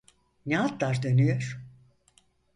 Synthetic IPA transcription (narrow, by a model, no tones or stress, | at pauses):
nɛat̪laɾd̪ønyjøɾ̥